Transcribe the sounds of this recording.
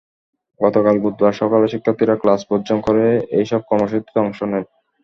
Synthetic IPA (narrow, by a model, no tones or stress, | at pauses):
ɡɔt̪okalbud̪baɾʃɔkalaʃikʰːat̪iɾaklasbodd͡ʑonkoɾeejʃɔb̚kɔɾmoʃ̬ot̪ːt̪ɔŋʃonen